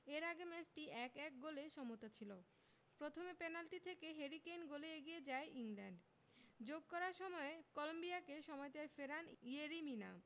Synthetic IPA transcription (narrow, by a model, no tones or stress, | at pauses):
eɾaɡemɛsʈiʔɛkɛk̚ɡoleʃɔmot̪at͡ɕʰilo | pɾot̪ʰomepɛnalʈit̪ʰekeɦeɾikejnɡoleeɡijed͡ʑaeʔiŋlɛɳɖ | d͡ʑoɡ̚kɔɾaɾʃɔmɔekɔlombiakeʃɔmɔet̪efeɾanieɾimina̰